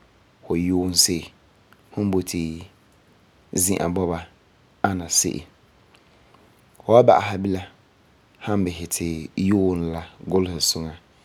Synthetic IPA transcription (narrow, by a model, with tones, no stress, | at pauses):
fʊ˨joː˦n̩˦sɪ˦ʔɪ˨ | hʊ˦bo˨tʰɪ˨ | zĩ˦ʔa̰˨bɔ˦ba˦ | a˦na˨sɪ̰˦ʔɪ̰˨ | fʊ˨a˦ba̰˨ʔa˨ɦa˦bɪ˦la˦ | ha˦m˦bɪ˨ɦɪ˨tʰɪ˨joː˦n˦la˦ɡʊ˦lhɪ˨sʊ˦ŋa˨